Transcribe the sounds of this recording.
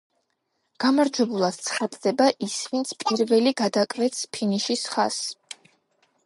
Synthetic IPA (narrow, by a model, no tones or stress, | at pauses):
ɡ̥amaɾd͡ʒwɛbulˠad̪̥̚t̪sʰχat̪ʼd̪ɛbaʔisvint̪sʰpʼiɾvɛliɡad̪akʼvɛt̪spʰiniʃisχa̰s